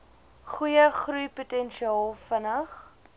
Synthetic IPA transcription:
χujəχrujputɛnʃiɑːlˠfənəχ

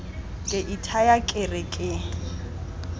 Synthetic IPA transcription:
kʼɪʔitʰajakʼɪrɪkʼɪ

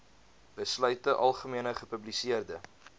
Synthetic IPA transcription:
bəslœɥtəʔɐlˠχəmiənəχəpɵblisiərdə

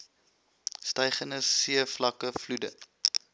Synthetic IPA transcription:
stɛjχənəsiəflɐkəfludə

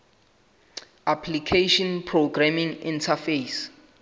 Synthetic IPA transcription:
apʰlikʰeʃɔnpʰroɡramĩŋḭ̃ntʰafes

